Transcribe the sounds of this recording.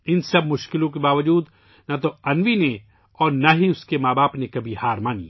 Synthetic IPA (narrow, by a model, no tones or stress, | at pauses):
ɪnsɐbmʊʃkɪlõkebaːʋəd͡ʒuːd̪ | nɐt̪̬oɐnʋine | ɔːɾnaɦiʊskemaːbaːpnekɐbʱihaːɾmaːnḭː